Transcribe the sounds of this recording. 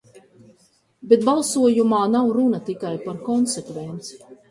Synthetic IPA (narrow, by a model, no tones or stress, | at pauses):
bet̪̚balˠsuɔjumaːnawɾunat̪ikajpaɾkɔnsekvɛnt̪si̥